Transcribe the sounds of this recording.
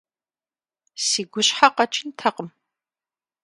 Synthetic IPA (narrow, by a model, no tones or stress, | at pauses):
siːɡʷʊɕħaqɐt͡ʃʰʼɪntʰɐqəm